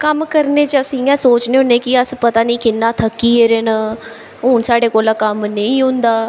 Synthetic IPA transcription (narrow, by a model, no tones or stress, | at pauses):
kəmkəɾneːt͡ʃəsĩjãːsoːt͡ʃneːɦʊ̃ːnẽːkɪəspət̪aːnĩːkɪnːaːt̪ʰəkːiːeːɾeːnaː | ɦʊːnsaːɖeːkoːlaːkəmnəĩːɦʊ̃nd̪aː